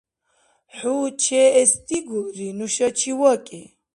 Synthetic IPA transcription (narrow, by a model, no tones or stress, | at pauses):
ħuːt͡ʃʰɛɛst̪ʼiɡuɾinuʃat͡ʃʰiwɔkʼi